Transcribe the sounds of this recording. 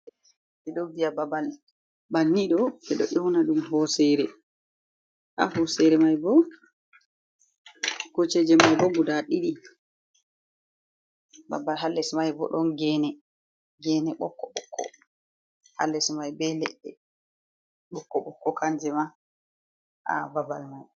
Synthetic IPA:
bɛɗɔvijababal | banːiɗɔɛɗɔ̰ʔɔwnaɗumɦɔsɛɾɛ | ʔa̰ɦɔsɛɾɛmajbɔ | kot͡ʃɛd͡ʒɛmajbɔɡudaɗiɗi | ba̰balɦalːɛsmajbɔ̰ɗɔnɡɛnɛ | ɡɛnɛɓɔkːɔɓɔ̰kʰːɔ̰ | ha̰lːɛsmajbɛlɛɗːɛ | ɓɔkːɔɓɔkːɔkand͡ʒɛma | ʔa̰babalmaj

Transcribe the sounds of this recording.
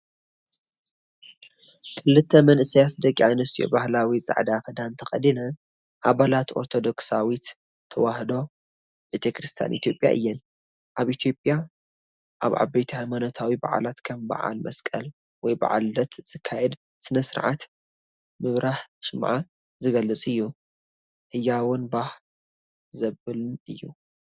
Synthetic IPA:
kʰɨlːɨt̪ʰːɐmɐnʔɨsijasd̪ɐkʼiʕajnɨst̪ʰijo̰bahlawizʼa̰ʕd̪akɨd̪ant̪ʰɐxʼɐd̪inɐ | ʔaβalat̪ʔo̞̰ɾt̪ʰo̞d̪o̞ksawit̪ | t̪ʰːɐwahd̪o̞ | bɨt̪ʰekɾɨst̪ʰja̰nʔit̪jo̞pʼja̰ʔɨjːɛn | ʔaβit̪ʰjo̞pʼja | ʔaβʕa̰bɐjt̪ʰihajmanɐt̪ʰawiba̰ʕa̰lat̪kʰɐmba̰ʕa̰lmɐskʼɐl | wɔjba̰ʕa̰lːɐt̪z̥ɨkʰːajɛd̪ | sɨnɐsɨɾʕa̰t̪ | mɨβɾaħʃɨmʕa | zɨɡɐlːɨt͡sʼɨjːu | hɨjːawʊnbah | zɐβɨlnɨjːu

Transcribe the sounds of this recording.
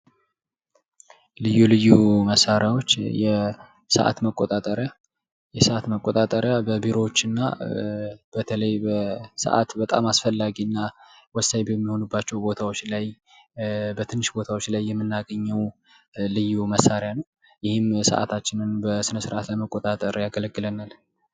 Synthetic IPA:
lɨjːulɨjːuməsːaɾjawo̞t͡ʃːjɛ | sə̰ʔa̰t̪məkʼot̪ʼat̪ʼəɾja | jɛsəʔat̪məkʼot̪ʼat̪ʼəɾjabəbiɾo̞t͡ʃːɨnːa̰ | b̥ət̪ʰələjbəsə̰ʔa̰t̪bət̪ʼa̰masfəlːaɡiɨnːa | wɔsajbəmːiho̞nubːat͡ʃːɛwbo̞t̪ʰawot͡ʃːlaj | bət̪ʰɨnːɨʃbo̞t̪ʰawo̞t͡ʃːlajːɛmːɨnːaɡəɲːɛw | lɨjːuməsːaɾjanəw | jɪhɪmsə̰ʔa̰t̪ʰat͡ʃːɪnɨnbəsɨnəsɨɾʔat̪ləməkʼot̪ʼat̪ʼəɾjaɡələɡːɨlənal

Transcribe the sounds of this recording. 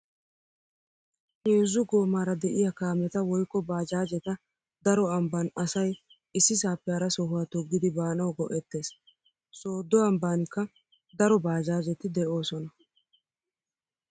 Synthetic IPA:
heːzːʊɡo̞ːmaːɾɐd̪ɛʔɪjɐkaːmɛt̪ɐwɔjkːɔbaːd͡ʒaːd͡ʒɛt̪ɐ | d̪ɐɾɔɐmbɐnɐsɐj | ɪsːɪs̬aːpːɛɐɾɐsɔɦʊwaːt̪ɔɡːɪd̪ɪbaːnɐwɡɔʔɛt̪ːe̞ːs | so̞ːd̪ːɔɐmbaːnɪkːɐ | d̪ɐɾɔbaːd͡ʒaːd͡ʒɛt̪ɪd̪ɛʔo̞ːsɔnɐ

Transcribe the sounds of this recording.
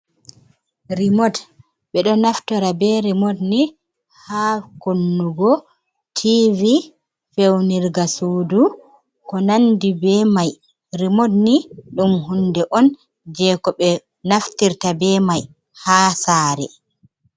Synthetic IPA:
ɾimɔd | ɓɛɗɔnaftɔɾabɛɾimodni | hakonːuɡɔ | tʰivi | fewniɾɡasuːdu | kɔnandibɛmaj | ɾimodniɗumɦundɛʔɔn | d͡ʒɛːkɔɓɛ | naftiɾtabɛmaj | hasaːɾɛ

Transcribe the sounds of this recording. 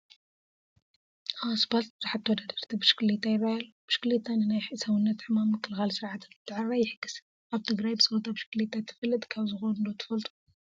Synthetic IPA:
ʔawsbalt̪̚bɨzaħat̪ːwɔd̪ad̪ɐɾt̪ʰibɨʃɨ̥klet̪ʰːajɪβahɐlub̥ɨʃɪ̥klet̪ʰːanɨnajħɨsɐwɨnːɐt̪ħɨmamːɨkʰːɨlxalsɨɾʕat̪ʰɨnzɨt̪ʰːɨʕaɾɾajɪħɨɡ̥ːɨs | ʔaβt̪ʰɨɡɾajbɨsɐβot̪ʰabʃɪ̥klet̪ʰːat̪ʰːɨ̥fɐlːɨt̪ʼkʰaβzɨxonɨlot̪ʰɨ̥fɐlt̪ʼu̥

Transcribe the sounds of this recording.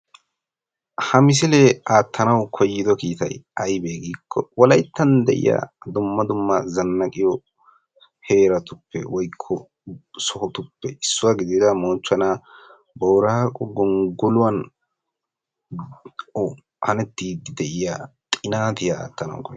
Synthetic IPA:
hɐmɪs̬ɪleaːt̪ːɐnɐwkʰɔjːɪd̪ɔkiːt̪ɐjɐjbeːɡiːkʰːɔ̰wɔlɐjt̪ːɐnd̪ɛʔɪ̰ja̰ːd̪ʊmːɐd̪ʊmːɐzɐnːɐkʼɪjɔ | he̞ːɾɐt̪ʊpːɛ̰wɔjkʰːɔ | sɔhɔt̪ʊpːɛɪsːʊwaɡɪd̪ɪzamoːt͡ʃːɐnaː | bɔwɾɐkʼɔɡɔŋɡɔlʊwɐn | hɐnɛt̪ːiːd̪ɛʔɪjaːt̪ʼɪnaːt̪ɪjaa̰ːt̪ːɐnɐ̰wkɔj

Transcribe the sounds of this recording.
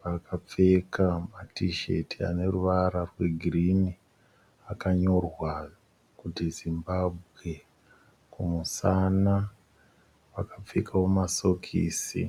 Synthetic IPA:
ʋakap͡fe̞kamatiʃe̞̰tia̰ne̞ruʋaɾarwe̞ɡʱirini | akaɲo̞rwa | kutizimbabʱɣe | kumusaːna | ʋakap͡fekʰawomaso̞kʰḭːsḭ

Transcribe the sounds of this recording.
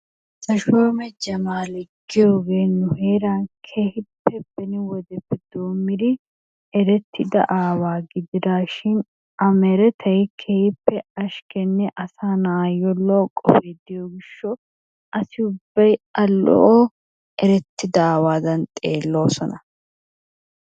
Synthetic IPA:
sɐʃoːmɛd͡ʒɐmaːlɛɡɪjoɡeːnːʊheːɾaːnkʰeːhɪpːɛb̥ɛnɪwɔd̪ɛpːɛd̪̥oːmːɪɾɪ | ɛɾɛt̪ʰːɪd̪ɐ̰ʔaːwaːɡɪd̪ɪd̪aːʃɪn | ɐmɛɾɛt̪ʰɐjɪkʰeːhɪpːɛɐʃkɛnːɛʔɐsaːnaːjɔlːɔkʼɔ̰feːd̪ɪjɔɡɪʃːɔ | ʔɐsɪʊbːɐjɐlːɔ̰ʔoː | ɛɾɛt̪ːɪd̪ɐaːwaːd̪ɐnt̪ʼe̞ːlːo̞ːsɔnɐ

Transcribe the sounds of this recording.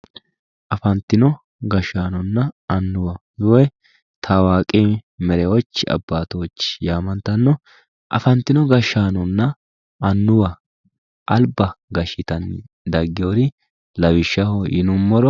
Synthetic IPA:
ʔɐfɐnt̪ːɪnɔ | ɡɐʃːaːnɔnːɐɐnːʊwɐjʊwɛ | t̪ʰawaːkʼimɛɾɛwɔt͡ʃːɪɐ̰bːaːt̪ɔwɔt͡ʃːɪ̥jaːmɐnt̪ɐnːɔ | ʔɐ̰fɐnt̪ːɪnɔɡɐʃːaːnɔnːɐ | ɐnːʊwɐ | ʔɐlbɐɡɐʃɪt̪ɐn | d̪ɐɡːɪjoɾɪ | lɐwɪʃːɐhɔʔɪnʊmːɔɾɔ

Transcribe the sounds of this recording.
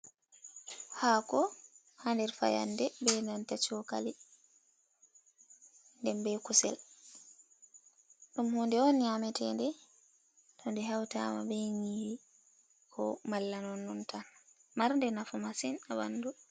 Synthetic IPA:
haːkɔ | handɛɾfa̰ja̰ndɛbɛnantat͡ʃɔkali | ndɛmbɛkusɛ̰l | ɗumhundɛɔnɲamɛtɛndɛ | tʰɔndɛɦawta̰ma̰bɛɲihi | kʰɔ̰malːanɔnːuntanmaɾndɛnafumasinawanːdu

